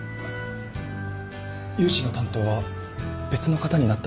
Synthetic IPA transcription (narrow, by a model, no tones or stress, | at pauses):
jɯːɕino̞t̪ãnt̪o̞ːβa | b̥e̞t͡sɨno̞kat̪aɲ̟inat̪ːa